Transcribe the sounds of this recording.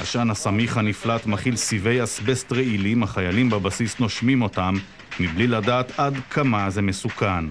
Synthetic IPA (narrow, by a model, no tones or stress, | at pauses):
ha̰ʃanhasamiχhaniflat̪maχilsive̞jasbestʁeilimhaχajalimbabasisno̞ʃmimo̞tamː | ibliladaːt̪adkʰamazemesukan